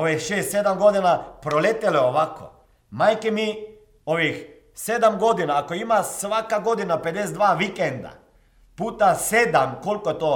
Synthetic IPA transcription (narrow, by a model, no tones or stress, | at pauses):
oʋexʃeːst̪sed̪amɡo̞d̪inapɾolet̪eleoʋako̰ | majkemi | oʋix | sed̪amɡo̞d̪inaːkoimasʋakaɡo̞d̪inaped̪es̬ed̪ʋaːʋikend̪a̰ | puːt̪ased̪amko̞lkoet̪o